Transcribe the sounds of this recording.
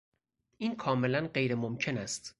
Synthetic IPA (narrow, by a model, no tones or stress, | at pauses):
ʔiːnkʰɒːme̞lænɢe̞jɾemomcʰe̞næst̪